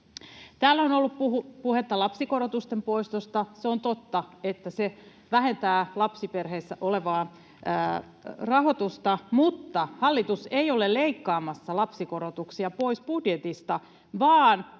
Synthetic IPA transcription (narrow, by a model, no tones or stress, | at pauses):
t̪æːlːæonolːuppuhupuhet̪ːɑlɑpsikoɾot̪ust̪empo̞ist̪ost̪ɑseont̪ot̪ːɑet̪ːæse | ʋæhe̞nt̪æːlɑpsiperheːsːæʔoleʋɑː | rɑɦo̞t̪ust̪ɑmut̪ːɑhɑlːit̪useioleleikːɑːmɑsːɑlɑpsiko̞ɾot̪uksiɑpo̞isbudjet̪ist̪ɑ | ʋɑːn